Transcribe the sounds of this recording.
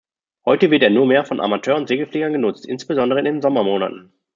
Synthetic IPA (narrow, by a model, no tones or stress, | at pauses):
hɔʏtəvɪɐteːɐnuːɐmeːɐfɔnʔa̰matʰøːɐʊntz̥eːɡəfleːɡɐnɡənʊt͡stʔɪ̰nsb̥əzɔndəʁ̞əɪndenzɔmɐmoːna̰tn̩